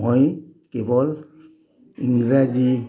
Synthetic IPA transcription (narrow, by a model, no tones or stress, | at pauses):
ɔjkɛbɔl | iŋɡɹazi